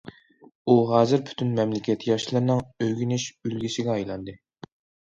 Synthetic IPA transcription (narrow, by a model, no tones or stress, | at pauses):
uɦɑːzɪɾpʰy̥t̪ʰynmɛmlɪkʲʰɛt̪jɑʃlˠɨɾnɨŋøjɡʲynyʃylɡʲisɪɡʲɛɑjlˠɑnd̪ɨ